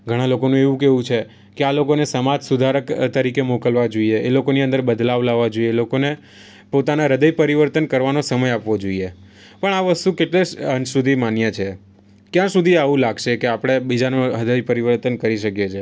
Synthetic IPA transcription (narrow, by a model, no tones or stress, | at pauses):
ɡʱəɽ̃alokonũeʋũkeʋũt͡ʃʰe | kealokonesəmad͡ʒsud̪ʱaɾəkt̪əɾikemokəlʋad͡ʒoieelokoniə̃nd̪əɾbəd̪laʋlaʋːad͡ʒoielokone | pot̪anaɾəd̪əjpəɾiʋəɾt̪ənkəɾʋanosəməjapʋod͡ʒoie | pəɳaʋəst̪ũkeʈleʃənsud̪ʱimanjat͡ʃʰe | kjãsud̪ʱiaʋũlaɡʃekeapɽ̃ebid͡ʒanoəd̪əjpəɾiʋəɾt̪ənkəɾiʃəkjet͡ʃʰe